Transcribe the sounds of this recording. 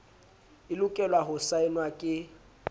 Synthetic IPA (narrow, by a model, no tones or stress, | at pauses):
ɪlʊkʼɛlwaɦʊsaɪnwakʼɪ